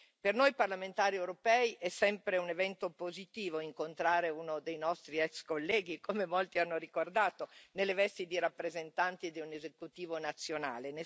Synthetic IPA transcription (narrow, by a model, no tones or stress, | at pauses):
pernojparlament̪aːɾiewɾopɛːiʔɛsːɛmpɾeunevɛnt̪opozit̪iːvoiŋkont̪ɾaːɾeunod̪ejnɔst̪ɾiɛkskolːɛːɡikomemolt̪ianːoɾikord̪aːt̪onelːevɛst̪id̪iɾapːɾezent̪ant̪id̪iunezekut̪iːvonat̪sːjona̰ːlene